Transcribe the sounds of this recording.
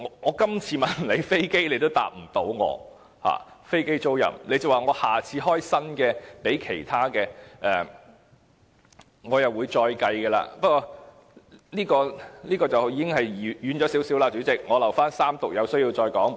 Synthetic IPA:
ŋɔ˨˧ŋɔː˨˧kɐ˥mt͡sʰiː˧mɐ˨nle˨˧jfe˥jke˥jnle˨˧jt̪o˥wt̪a̰ː˨p̚m̩˨˩t̪o˨˥wŋɔ̰ː˨˧ | ha̰ː˨fe˥jke˥jt͡so˥wjɐ̰˨˩mne˨˧jt͡sɐ˨˩waː˨ŋɔː˨˧haː˨˩t͡sʰiː˨˧ɦɔː˥jsɐ˥nkɛː˧pe˨˥jkʰe˨˩jt̪ʰaː˥kɛː˧ʔɛ˨ | ŋɔː˨˧jɐ˨wuː˨˧jt͡ʃɔː˧jkɐ˧jkɛː˧la̰ː˧pɐ˥t̚kːɔː˧ | liː˥kɔː˧liː˥kɔː˧t͡sɐ˨wjiː˨˧kɪ˥ŋhɐ˨jjyː˨˧nt͡ʃɔ˨˥si˨˥wsi˨˥laː˧t͡ʃy˨˥t͡sɪ˨k̚ŋɔː˨˧lɐ˨˩wfaː˥nsaː˥mt̪ʊ˨k̚jɐ˨˧wsɵ˥ɥji˧wt͡sɔː˧jkɔː˨˥ŋ

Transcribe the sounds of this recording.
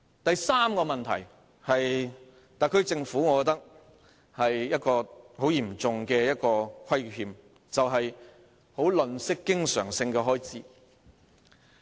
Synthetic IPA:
t̪ɐ˨jsaː˥mkɔː˧mɐ˨nt̪ʰɐ˨˩j | hɐ˨j | t̪aː˨jkʰɵ˧˥t͡sɪ˧ŋfuː˨˥ŋɔ˨˧kɔ˧˥t̪ɐ˥k̚ | hɐ˨jjɐ˥t̚kɔː˧ho˨˥wjiː˨˩mt͡sʊ˨ŋkɛː˧jɐ˥t̚kɔː˧kʰɐ˥jɦiː˨m | t͡sɐ˨wɦɐ˨j | ho˨˥wlɵ˨nsɪ˥kːɪ˥ŋsœ̰ː˨˩ŋsɪ˧ŋkɛː˧ɦɔː˥jt͡siː˨˥

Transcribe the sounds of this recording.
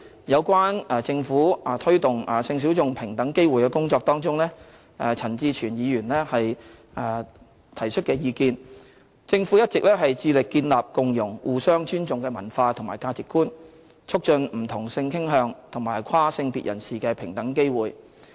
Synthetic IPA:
jɐ˨˧wkʷwaː˥nɛ˧t͡sɪ˧ŋfuː˨˥˨t̪ʰɵ˥ɥt̪ʊ˨˩ŋa˨sɪ˧ŋs̬i˨˥wt͡sʊ˨ŋpʰɪ˨˩ŋt̪ɐ˨˥ŋke˥jwuː˨˩jkɛː˧kʊ˥ŋt͡sɔː˧k̚t̪ɔː˥ŋt͡sʊ˥ŋlɛ˥ | ɛ˨˧t͡sʰɐ˨˩nt͡siː˧t͡ʃʰyː˨˩njiː˨˧jyː˨˩nlɛ˥hɐ˨j | ɛː˧ | t̪ʰɐ˨˩jt͡ʃʰɵ˥t̚kɛː˧jiː˨˧kiː˧n | t͡sɪ˧ŋfuː˨˥jɐ˥t̚t͡sɪ˨k̚lɛː˥ɦɐ˨jt͡siː˧lɪ˨kːiː˧nlaː˨p̚kʊ˨ŋjʊ˨˩ŋwʔuː˨sœː˥ŋt͡ʃyː˥nt͡sʊ˨ŋkɛː˧mɐ˨˩nfaː˧t̪ʰʊ˨˩ŋma̰ː˨˩jkaː˧t͡sɪ˨kːuː˥n | t͡ʃʰʊ˥k̚t͡ʃɵ˧nm̩˨˩t̪ʰʊ˨˩ŋsɪ˧ŋkʰɪ˥ŋɦœː˧ŋt̪ʰʊ˨˩ŋmaː˨˩jkʰwaː˥sɪ˧ŋpḭː˨t̚jʔɐ̰˨˩nsiː˨˩kɛː˧pʰɪ˨˩ŋt̪ɐ˨˥ŋke˥jwuː˨j

